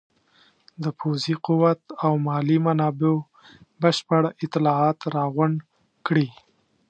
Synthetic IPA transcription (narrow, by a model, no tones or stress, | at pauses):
d̪əpʰoziquwat̪awmɑlimanɑbeo | bəʃpaɽɪt̪ːɪlɑɑt̪ɾɑɣʊɳ | kɽi